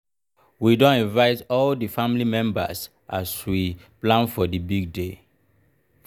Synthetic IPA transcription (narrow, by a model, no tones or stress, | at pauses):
widõnĩnvaɪtɔldifãmlimɛ̃mba̰s | ʔaswiplãnfɔdibiɡ̚de